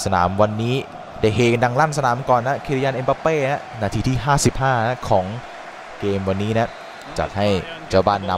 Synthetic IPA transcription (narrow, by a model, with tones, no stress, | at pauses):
sa˧na̰ː˩˦mwa˧nːiː˦˥ | daː˥˩jɦeː˧˩ka˧nda˧ŋlaː˥˩ns̬a˧naː˩˦mkɔː˨˩nːa˦˥kʰi˧ɾi˧jaː˧nʔe˧npa˧˥peː˥˩na˦˥naː˧t̪ʰiː˧t̪ʰiː˥˩ɦaː˥˩si˨˩p̚haː˥˩na˦˥kʰɔː˩˦ŋ | keː˧mwa˧nːiː˦˥na˦˥ | t͡ɕa̰˨˩t̪̚ha˥˩j | t͡ɕaː˧˩baː˧nːa˧